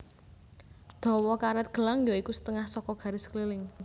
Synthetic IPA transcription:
d̪̥ɔ̤wɔkaɾɛt̪̚ɡ̥ə̤laŋjoikusə̥t̪əŋahsɔkɔɡ̥a̤ɾɪsə̥kəlilɪŋ

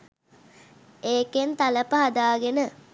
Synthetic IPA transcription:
eːkent̪aləpəɦad̪aːɡenə

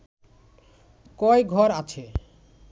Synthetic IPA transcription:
kɔjɡʱɔɾat͡ɕʰe

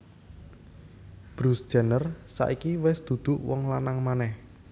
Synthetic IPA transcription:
b̥ɾusd̥ʒ̥anərsa̰ʔikiwɛsd̪̥ṳd̪̥ʊ̤ʔwɔŋlanaŋmanɛh

